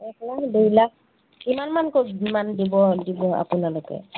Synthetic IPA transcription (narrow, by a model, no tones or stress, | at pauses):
ɛklaɦdeila | kimanmankomandibɔdibɔa̰pʊnalɔkɛ̰